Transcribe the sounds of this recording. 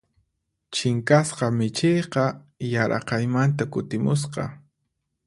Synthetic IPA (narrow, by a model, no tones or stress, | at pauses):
t͡ʃɪŋkasqɑmɪt͡ʃejqɑ | jaɾʔɑ̰qɑjmant̪akʊt̪ɪmʊs̬qɑ̰